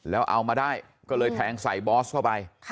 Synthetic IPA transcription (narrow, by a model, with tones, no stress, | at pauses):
lɛː˨˦wʔa˧wmaː˧ɗaː˥˩j | kɔː˦˥lɤː˧jt̪ʰɛː˨˧˩ŋsa˨˩jɓɔː˦˥skʰaː˧˥˩wpa˧j